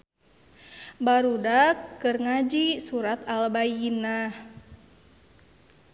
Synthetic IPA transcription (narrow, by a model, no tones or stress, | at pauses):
baɾudakːɨrŋad͡ʒisuɾat̪albainah